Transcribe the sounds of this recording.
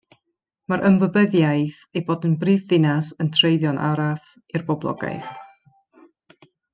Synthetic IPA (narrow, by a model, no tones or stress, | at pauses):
maɾʔəmvəbəðjajθ | ejboːdənbriːvðɪnasəntʰrejðjɔnʔa̰ɾaf | irbɔblˠɔ̰ɡa̰jθ